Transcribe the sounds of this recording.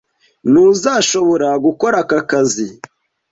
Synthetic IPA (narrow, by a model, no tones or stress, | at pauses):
nuzaːʃo̞βo̞ɾaɡuko̞ɾakakazi